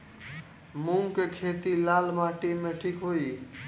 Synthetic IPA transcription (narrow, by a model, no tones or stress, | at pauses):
mũŋkekʰeːt̪ilaːlmaːʈimẽʈʰiːkɦoːi